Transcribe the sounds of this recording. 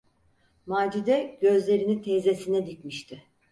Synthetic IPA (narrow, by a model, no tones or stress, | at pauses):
maːd͡ʒid̪ɛɟ̥ø̞zlʲe̞ɾinit̪ʰeːze̞sinɛd̪icmiʃt̪ʰɪ